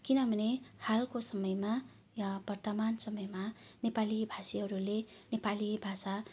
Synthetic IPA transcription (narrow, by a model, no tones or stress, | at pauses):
kinʌbʱʌnehalkosʌmʌjma | jabʌrt̪ʌmansʌmʌjmanepalibʱasiɦʌɾulenepalibʱasa